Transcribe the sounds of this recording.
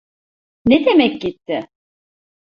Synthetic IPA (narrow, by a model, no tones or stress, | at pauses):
ned̪emɛc̚ɟit̪ʰːɪ